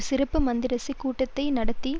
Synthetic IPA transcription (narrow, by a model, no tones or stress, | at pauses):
sɪɾɐpːɯmɐnd̪ɪɾɐsikːuːʈːɐt̪ːɐɪnɐɽɐt̪ːi